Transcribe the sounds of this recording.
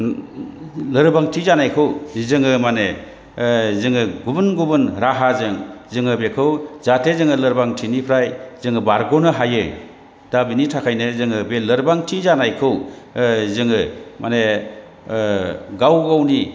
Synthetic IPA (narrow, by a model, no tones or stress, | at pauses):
lɯɾbaŋtʰizanajkʰɯwzɯŋɯmane | zɯŋɯɡubɯnɡubɯnɾaɦazɯŋzɯŋɯbekʰɯwzatʰezɯŋɯlɯɾbaŋtʰinipʰɾajzɯŋɯbaɾɡɔnɯɦajɯ | d̥abinitʰakʰajnɯzɯŋɯbelɯɾbaŋtʰizanajkʰɯw | zɯŋɯmane | ɡawɡawni